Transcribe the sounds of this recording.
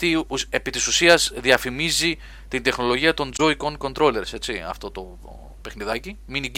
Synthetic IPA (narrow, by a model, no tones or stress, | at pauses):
iepit̪isusiɐzðiɐfimizi | t̪ind̪e̞xno̞lo̞ʝiɐt̪o̞nd͡zo̞iko̞ŋko̞nt̪ɾo̞le̞ɾse̞t͡siɐ̰ft̪o̞t̪o̞ | pe̞xniðɐciminiɟ